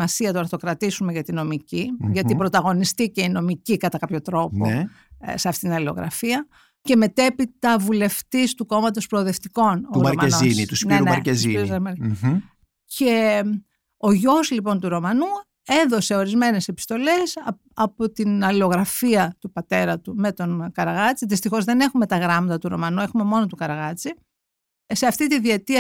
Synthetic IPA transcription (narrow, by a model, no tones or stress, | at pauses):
mɐsiɐt̪oɐɾθt̪o̞kɾɐt̪isume̞ʝɐt̪ino̞miciʝɐt̪ipɾo̞t̪ɐɣo̞nist̪ice̞ino̞micikɐt̪ɐkɐpço̞t̪ɾo̞po | se̞ɐft̪it̪inɐlilo̞̰ɣɾɐ̰fiɐ | ce̞me̞t̪e̞pit̪ɐvule̞ft̪ist̪uko̞mɐt̪o̞spɾoːðe̞ft̪iko̞nɾɐɾmɐenoinit̪usniunɐɾezizɐmɐɾ | ce | o̞ʝo̞slipo̞nt̪uɾo̞mɐnu | e̞ðo̞se̞o̞ɾizme̞ne̞se̞pi̥st̪o̞le̞s | ɐpo̞t̪inɐlo̞ɣɾɐfiɐt̪upɐt̪e̞ɾɐt̪ume̞t̪o̞nkɐɾɐɣɐt͡siðist̪ixo̞zðe̞ne̞xume̞t̪ɐɣɾɐmɐt̪ɐt̪uɾo̞̰mɐnue̞xume̞mo̞not̪ukɐɾɐɣɐt͡si | se̞ɐft̪it̪iðiet̪iɐ